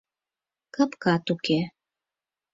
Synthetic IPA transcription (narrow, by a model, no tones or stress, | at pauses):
kɤpkɑt̪uke